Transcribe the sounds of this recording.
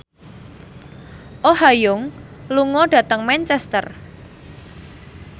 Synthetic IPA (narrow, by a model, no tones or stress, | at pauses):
ʔoɦajʊŋluŋɔɖ̥a̤t̪əŋmɛnt͡ʃɛst̪ə̰r